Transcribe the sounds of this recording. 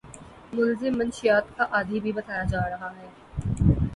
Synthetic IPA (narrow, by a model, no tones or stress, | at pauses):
mʊlzɪmːɐnʃɪjaːt̪kaʔaːd̪ʱibʱibɐt̪aːjad͡ʒaːɾɐɦaɦɛː